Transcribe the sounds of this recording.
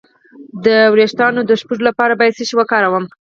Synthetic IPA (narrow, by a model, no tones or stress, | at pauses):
d̪əwɾeʃt̪ɑnod̪əʃpuʐolapɑɾabɑjad̪seʃiwakɑɾawəm